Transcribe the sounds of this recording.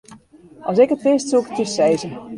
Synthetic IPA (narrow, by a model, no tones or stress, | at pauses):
ʔɑsɪkətfɪstsuktʰəsɛjzə